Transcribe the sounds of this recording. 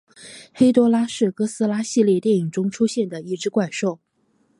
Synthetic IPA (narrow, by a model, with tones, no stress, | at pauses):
xe˥ɪt̪wɔ˥la˥ʂɻ̩˥˩kɤ˥sɹ̩˥la˥ɕi˥˧ljɛ˥˧t̪jɛ˥˩ni˨˩ŋʈ͡ʂʊ˥ŋʈ͡ʂʰu˥ɕjɛ˥˩nd̪ə˩i˥˩ʈ͡ʂɻ̩˥kwa˥˩ɪʂo˥˩ʊ